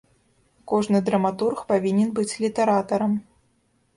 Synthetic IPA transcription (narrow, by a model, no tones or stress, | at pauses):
kɔʐnɨd̪ɾɐmat̪urxpavʲinʲɛnbɨt͡sʲlʲit̪ɐɾat̪ɐɾɐm